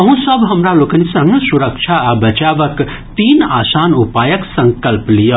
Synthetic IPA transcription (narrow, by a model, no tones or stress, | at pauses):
ɐɦũsəbɦɐmɾalokɐnisɐ̃ŋɡsuɾəkt͡ʃʰaabɐt͡ʃaʋək | t̪iːnaːsaːnupaːjɐksɐŋkɐlplijə